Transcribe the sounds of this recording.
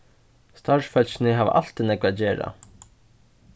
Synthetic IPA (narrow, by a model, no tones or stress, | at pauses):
st̪aɹʂfœl̥ɕɪnɪɦaːʋ̰ʔa̰l̥t̪ɪnɛkvad͡ʑeːɾa̰